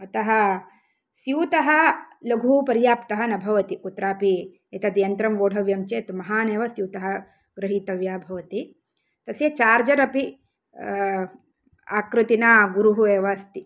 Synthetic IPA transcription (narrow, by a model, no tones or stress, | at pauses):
ɐt̪ɐɦɐ | sjuːt̪ɐɦɐlɐɡʱuːpɐɾjaːpt̪ɐɦɐnɐbʱɐʋɐt̪ikut̪ɾaːpi | ɐt̪ɐd̪jɐnt̪ɾɐmʋoːɽʱɐʋjɐmt͡ʃeːt̪mɐɦaːneːʋɐsjuːt̪ɐɦɐ | ɡ̥ɾɨɦiːt̪ɐʋjaːbʱɐʋɐt̪i | t̪ɐsjɐt͡ʃaːɾd͡ʒɐɾɐpi | a̰ːkɾɪt̪inaːɡuɾuɦueːʋast̪i